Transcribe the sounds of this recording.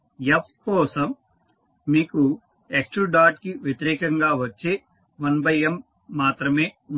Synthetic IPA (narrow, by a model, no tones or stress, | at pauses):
jepʰkɔːsɐmː | iːku | eksʈɾuɖaːʈkiʋjɐt̪iɾɛːkɐŋɡaːʋɐt͡ʃːeː | ʋɐnbɐjemː | aːt̪ɾɐmeː